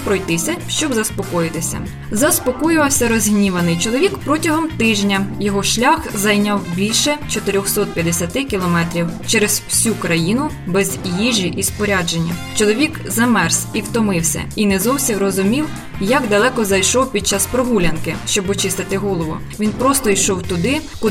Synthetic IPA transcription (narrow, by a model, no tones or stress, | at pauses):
pɾɔjt̪ɪsʲɐʃt͡ʃɔbzɐspɔkɔjɪt̪ɪsʲɐ̰ | zɐspɔkɔjʊʋɐwsʲɐɾɔzʲɦnʲiʋɐnɪjt͡ʃɔlˠɔʋʲikpɾɔtʲɐɦɔmt̪ɪʒnʲɐjɔɦɔʃlʲaxzɐjnʲawbʲilʲʃɛt͡ʃɔt̪ɪɾʲɔxsɔt̪̚pʲjɐd̪esʲɐt̪ɪkʲilˠɔmɛt̪ɾʲiwt͡ʃɛɾezwsʲukɾɐjinʊ | bɛzʲjiʒʲiʔispɔɾʲad͡ʒenʲːɐ̰t͡ʃɔlˠɔʋʲikzɐmɛrsiwt̪ɔmɪwsʲɐ̰inɛzɔwsʲimrɔzʊmʲiw | jɐɡd̪ɐlˠɛkɔzɐjʃɔwpʲid̪̥̚t͡ʃaspɾɔɦulʲɐnkɪʃt͡ʃɔbɔt͡ʃɪst̪ɪt̪ɪɦɔlˠɔʋʊ̰ | ʋʲinpɾɔst̪ɔijʃɔwt̪ʊd̪ɪkʊ